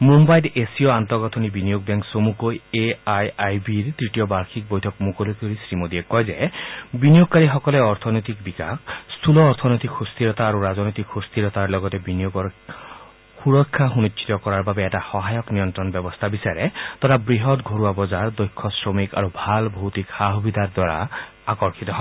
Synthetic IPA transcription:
mumbajdesiɔant̪ɔɡɔt̪ʰɔnibinijoɡ̚bɛŋksomukojeajajbiɾt̪ɹitijɔbaɾkʰik̚bojtʰɔkmukolokoɾisɹimod̪iekɔjzebinijoɡ̚kaɾiɦɔkɔleɔɾt̪ʰɔnɔjt̪ikbika̰kst̪ʰulɔːɾt̪ʰɔnɔjt̪ikxust̪ʰiɾɔt̪aːɾuɾazɔnɔjt̪ikxust̪ʰiɾɔt̪aɹlɔɡɔt̪ebinijoɡɔ | xuɹɔkʰːaɦunit͡ʃːt͡ʃʰi̥t̪ɔkɔɹaɹbabɛːtaxɔɦajɔknijɔnt̪ɾɔnbɔbɔst̪ʰabisaɾet̪ɔɾabɹiɦɔtɡʱoɹuabɔzaɹd̪ɔjkʰːɔsɹomika̰ɾubʱalbʱowt̪ikhaɦubid̪ʱaɾd̪waɾa̰ | akɔɹkʰit̪ɔɦɔ

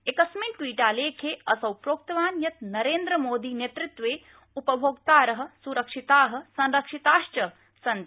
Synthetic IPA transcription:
ekɐsmeɳʈʈʋiːʈaːleːkʰeːɐsɐwpɾoːk̚t̪ɐʋaːnjɐt̪nɐɾeːnd̪ɾɐmoːd̪iːnjet̪ɾɪt̪ʋeː | upɐbʱoːɡt̪aːɾɐɦɐ̆suɾɐkʂit̪aːɦɐ̆sɐ̃nɾɐkʂit̪aːʃt͡ʃɐ | sɐnt̪

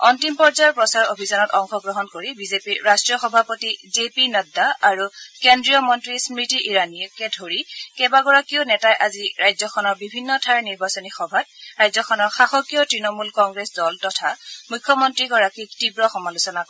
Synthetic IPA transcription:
ɔntimpɔɹzajɔɹpɹɔsaɹobʱizɔnɔtɔŋxɔɡɹɔɦɔnkoɹibizepiɹastɹijɔxɔbʱapotizepinɔdaaɹukendɹijɔmɔntɹismɹitiʔiɹaniɛkɛdʱoɹikɛbaɡɔɹakiʊnɛtajʔaziɹajzɔxʰɔnɔɹbibʱinːɔtʰaɹniɹbasɔnixɔbʱatɹajzɔxʰɔnɔxaxɔkijɔtɹinɔmulkɔŋɡɹesdɔltɔtʰamujkʰːjɔmɔntɹiɡɔɹakik̚tibɹɔxɔmalusɔnakɔ

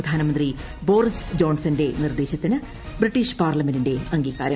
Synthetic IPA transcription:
ɐd̪ʱaːnɐmɐnd̪ri | bo̞ːrisd͡ʑo̞ːnsɐnde̞nird̪eːɕɐt̪ːinɨ | briʈːiʂpaːrlɐmendinde̞ɐŋɡiːɣaːɾɐm

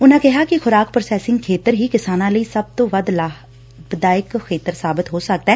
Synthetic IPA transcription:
ʊnãːkɛɦaːkɪxʊɾaːkpɾəsɛːsɪ̃ŋɡkʰeːt̪əɾɦiːkɪsaːnãːləiːsəb̚t̪õːʋəd̪l | bɪd̪aːɪkxʰeːt̪əɾsaːbɪt̪ɦoːsək̚d̪aɦɛː

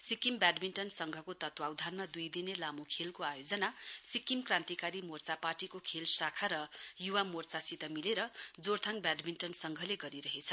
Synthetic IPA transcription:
sikimbaɖminʈʌnsʌŋɡʱʌkot̪ʌt̪wawd̪ʱanmad̪ujd̪inelamukʰelkoajod͡zʌnasikimkrãnt̪ikaɾimort͡sapaʈikokʰelsakʰaɾʌjuwamort͡sasit̪ʌmileɾʌd͡zort̪ʰaŋbaɖminʈʌnsʌŋɡʱʌleɡʌɾiɾʌɦet͡sʰʌ

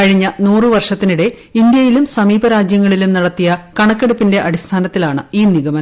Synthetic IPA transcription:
kɐɻiɲːɐnuːrɨʋɐrʂɐt̪ːinuɽe̞ | ind̪jɐjilumsɐmiːbɐɾaːd͡ʑjɐŋːɐɭilumnɐɽɐt̪ːijɐkɐɳɐkːeɽupːinde̞ʔɐɽist̪ʰaːnɐt̪ːilaːɳɨiːniɣɐmɐ

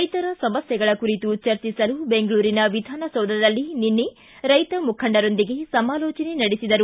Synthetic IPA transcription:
ɐjt̪ɐɾɐsɐmɐsjɐɡɐɭɐkuɾit̪ut͡ʃɐɾt͡ʃisɐlube̞ŋɡɐɭuːɾinɐʋid̪ʱaːnɐsɐwd̪ɐɾɐlːininːe | ɾɐjt̪ɐmukʰɐɳɖɐɾo̞nd̪iɡe̞sɐmaːlɔːt͡ʃɐne̞nɐɽisid̪ɐɾu

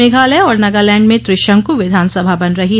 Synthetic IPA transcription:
eːɡʱaːleɔːɾnɐɡaːlɛ̃ːɳɖmẽt̪ɾɪʃə̃ŋkuʋɪd̪ʱaːnsɐbʱabɐnɾɐɦi

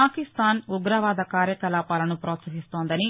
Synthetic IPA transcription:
aːkist̪aːnuɡɾɐʋaːd̪ɐkaːɾjɐkɐlaːpaːlɐnupɾoːt̪sɐɦist̪oːnd̪ɐni

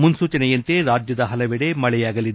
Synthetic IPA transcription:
munsuːt͡ʃɐnɛjɐnt̪e̞ɾaːd͡ʒjɐd̪ɐɦɐlɐʋɛɽe̞mɐɭɛjaːɡɐlid̪e

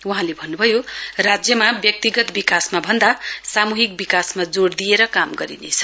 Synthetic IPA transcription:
wuɦãlebʱʌnːubʱʌjorad͡zjʌmabjʌk̚t̪iɡʌt̪bikasmabʱʌnd̪asamuɦik̚bikasmad͡zoɽd̪ijeɾʌkamɡʌɾḭnḛt͡sʰʌ̥

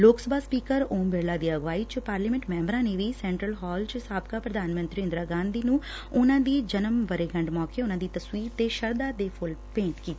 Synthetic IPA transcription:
loːksəbʱaːspiːkəɾoːmbɪɾlaːd̪iːəɡʋaːiːt͡ʃpaːɾliːmɛ̃ɳʈmɛ̃ːmbɾãːneʋiːsɛ̃ːɳʈɾəlɦɔːlt͡ʃsaːbkaːpɾəd̪aːnmə̃nt̪ɾiɪ̃nd̪ɾaːɡãːnd̪iːnũː | ʊnãːd̪iːd͡ʒənəmʋəɾeːɡəɳɖmɔːkeːʊnãːd̪iːt̪əswiːɾt̪eːʃəɾd̪aːd̪eːpʰʊlpẽːɳʈkiːt̪ːiː

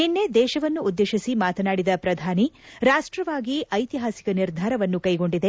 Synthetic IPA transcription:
ninːed̪ɛːʃɐʋɐnːuːd̪ːeːʃisimaːt̪ɐnaːɽid̪ɐpɾɐd̪ʱaːniɾaːʂʈɾɐʋaːɡiʔɐjt̪iɦaːsi̥kɐniɾd̪ʱaːɾɐʋɐnːukɐjɡo̞ɳɖid̪e̞

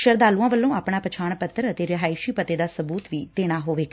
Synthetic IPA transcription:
ʃəɾd̪aːluãːʋəlːõːaːpɳ̃aːpət͡ʃʰaːɳpət̪ːəɾət̪eːɾɪɦaːiʃiːpət̪eːd̪aːsəbuːt̪ʋiːt̪eːɽ̃aːɦoːʋeːk

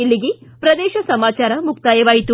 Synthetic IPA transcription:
ilːiɡipɾɐd̪eːʃɐsɐmaːt͡ʃaːɾɐmukt̪aːjɐʋaːjit̪u

